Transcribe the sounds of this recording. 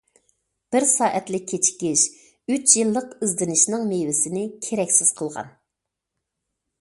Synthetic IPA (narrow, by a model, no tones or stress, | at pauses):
b̥ɪɾsɑːʔɛt̪lɪkʲʰːet͡ʃʰi̥kʲiʃ | yt͡ʃʰjilˠːəqizd̪ɪnɪʃnɨŋmejwɪsɪnɪkʲʰeɾɛkʲsɪz̥qʰəlˠʁɑ̰n